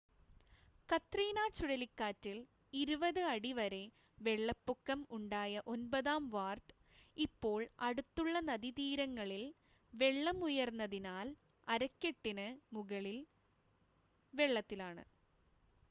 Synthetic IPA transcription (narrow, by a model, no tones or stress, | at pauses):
kɐt̪ːriːnaːt͡ɕuɽɐlikːaːtːil | iɾubɐðɨɐɽiʋɐɾe̞ | ʋeɭːɐpːukːɐmuɳɖaːjɐʔo̞nbɐðaːmʋaːrʈɨ̥ | ipːo̞ːɭɐɽut̪ːuɭːɐnɐðit̪iːɾɐŋːɐɭil | ʋeɭːɐmujɐrnːɐðinaːl | ɐɾɐkʲːeʈːinɨmuɣɐɭil | ʋe̞ɭːɐt̪ːilaːɳɨ̰